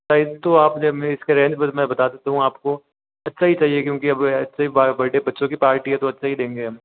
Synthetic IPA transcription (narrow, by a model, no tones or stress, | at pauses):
saːɪdt̪oaːpneɪskeɾɛ̃ːɲd͡ʒbɐmɛ̃bɐt̪aːd̪et̪aɦũaːp̚ko | ɐtːʃʰaɦit͡ʃaːɦiekjõːkiɐbɐtːʃʰaibɐʈebɐtːʃõkipaːɾʈiɦɛt̪oɐtːʃʰaɦid̪ẽːŋɡeɐm